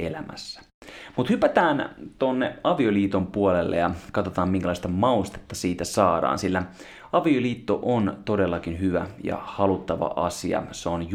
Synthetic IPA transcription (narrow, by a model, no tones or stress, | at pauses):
ḛlæmæ̰sːæ̥ | mut̪hypæt̪æːnt̪onːeɑʋioliːt̪ompuolelːḛjɑkɑt̪ot̪ɑːmmiŋ̟kælɑist̪ɑmɑust̪e̥t̪ːɑsiːt̪æsɑːdɑ̰ːnsilːæ | ɑʋioliːt̪ːo̰ʔont̪o̞delːɑkinhyʋæ̰jɑ̰hɑlut̪ːɑʋɑ̰ʔɑsiɑ̰seonj